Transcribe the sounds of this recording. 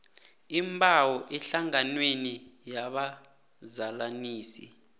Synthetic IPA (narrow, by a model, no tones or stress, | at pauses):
imbʱawɔʔɛɬaŋanwenijaɓa | zalaniːsḭ